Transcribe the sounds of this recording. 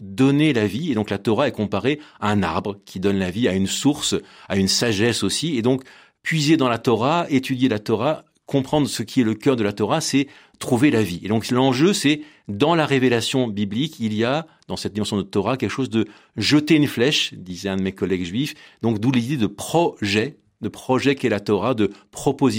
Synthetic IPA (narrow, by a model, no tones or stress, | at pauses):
d̪ɔnelavied̪ɔ̃klat̪ɔʁaɛkɔ̃paʁeaɛ̃na̰ʁbʁəkʲʰid̪ɔnlaviaynsuʁsaynsaʒɛsosied̪ɔ̃k | pɥized̪ɑ̃lat̪ɔʁaet̪ʰyd̪jelat̪ɔʁa | kɔ̃pχɑ̃d̪ʁəsəkʲʰiɛləkʲœʁd̪əlat̪ɔʁasɛ | t̪χuvelavied̪ɔ̃klɑ̃ʒøsɛ | d̪ɑ̃laʁevelasjɔ̃biblikʰilija | d̪ɑ̃sɛt̪̚d̪imɑ̃sjɔ̃d̪ət̪ɔʁakʲɛlkə̥ʃozd̪ə | ʒət̪eynflɛʃd̪izɛɛ̃d̪əmekɔlɛɡʒɥifd̪ɔ̃kd̪ulid̪ed̪əpχɔʒɛ | d̪əpχɔʒɛkɛlat̪ɔʁad̪əpχɔpoz